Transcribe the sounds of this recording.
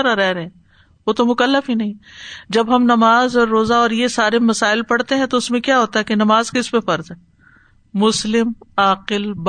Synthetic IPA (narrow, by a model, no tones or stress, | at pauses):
ɾaɾɛɦɾɛ̃ | ʋoːt̪omʊkəlːəfɦinɐɦĩd͡ʒɐbɦɐmnɐmaːzɔːɾːoːzaɔːɾjesaːɾemɐsaːɪlpɐɽt̪eɦɛ̃t̪oʊsmẽkjaɦoːt̪aɦɛkenɐmaːzkɪspefɐɾzɦɛ | mʊslɪmaːqɪlb